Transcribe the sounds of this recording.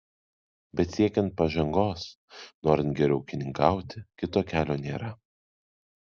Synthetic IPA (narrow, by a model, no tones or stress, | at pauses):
bʲɛt̪sʲiɛkʲɛnt̪̚pɐʒɐŋɡoːs | noːɾʲɪnt̪̚ɡʲɛɾʲɛʊkʲɪnʲɪŋkɑˑʊt̪ʲɪkʲɪt̪oːkʲæːlʲoːnʲeːɾɐ